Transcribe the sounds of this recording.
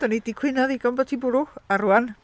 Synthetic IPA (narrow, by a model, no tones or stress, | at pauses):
d̥ɔnidikʰw̥ɪnɔðiɡɔmbɔtʰibʊɾʊxaruan